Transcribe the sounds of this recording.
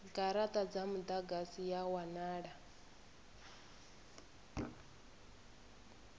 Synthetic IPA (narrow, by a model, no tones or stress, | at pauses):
ɡʼaɾat̪ʼad͡zamud̪aɡasijawanaːɺa